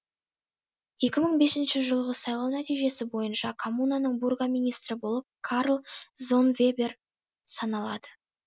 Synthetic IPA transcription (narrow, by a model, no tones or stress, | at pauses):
je̞kʲɪməɴbe̞sɪnʃɪʒəlˠʁəsɑjlˠɑwnæt̪ijʒe̞sɪbo̞jənʃɑkʰomunanəɴburɡamijnijst̪ɾɪbo̞lˠəp̚kʰaɾlˠzo̞nvʲe̞be̞r | sɑnɑlˠɑd̪ə